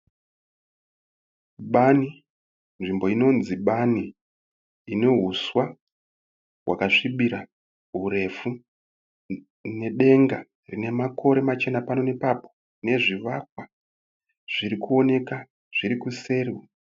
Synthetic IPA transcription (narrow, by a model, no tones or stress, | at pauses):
ɓani | nʐimbo̞ino̞nziɓaniː | ne̞ɦuswa | wa̰kaʂiɓiɾa | ɦure̞fu | ne̞ɗe̞ŋɡa | rine̞makʰo̞ɾe̞mat͡ʃe̞napano̞ne̞papo̞̥ | ne̞ʐiʋak̚wa | ʐ̥iɾikuo̞ne̞ka | ʐ̥iɾikuse̞riwa